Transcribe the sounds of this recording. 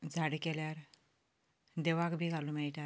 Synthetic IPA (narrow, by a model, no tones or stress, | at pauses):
d͡zʱaɽkeljaɾ | d̪eʋakbʱiːɡʱalumɛɭʈa